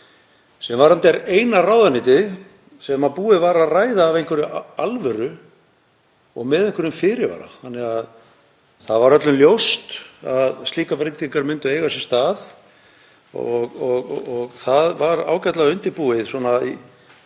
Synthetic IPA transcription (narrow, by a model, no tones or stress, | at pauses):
sɛmvaɾant̪ɛɾejnaraːwðanɪːt̪ɪ | sɛmapuːɪvaɾaðraːjðaːvejŋ̥kʰvʏɾʏalvɛɾʏ | ɔ̰ɣmɛðejŋ̥kʰvʏɾʏmfɪːɾɪva̰ɾa̰θanːɛɣað | θaðvaɾœt̪lʏnljowst̪aðst̪iːkapɾejt̪iŋkaɾmʏnt̪ʏeːjɣasɛst̪aːð | ɔɣɔɣɔɣθaðvaɾa̰ːwcat̪laɣʏnt̪ɪpuːɪðswɔːnai